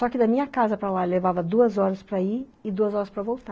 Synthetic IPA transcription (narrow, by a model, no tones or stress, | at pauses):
sɔkɪd̪ɐmĩɲɐkazɐpɾɐlalevavɐd̪uɐzɔɾɐspɾɐiɪd̪uɐzɔɾɐspɾɐvowt̪a